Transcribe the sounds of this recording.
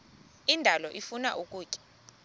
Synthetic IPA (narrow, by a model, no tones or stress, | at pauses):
indʱalɔʔifuna̰ʔukʼuːkʼɛ̥